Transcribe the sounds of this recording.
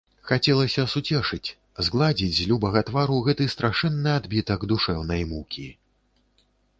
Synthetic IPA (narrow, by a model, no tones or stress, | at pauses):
xat͡sʲɛlˠɐsʲɐsut͡sʲɛʂɨt͡sʲ | zɡlˠad͡zʲid͡zʲzʲlʲubɐɣɐt̪vaɾuɣɛt̪ɨst̪ɾaʂɛnːɨad̪bʲit̪ɐɡd̪uʂɛwnɐjmukʲi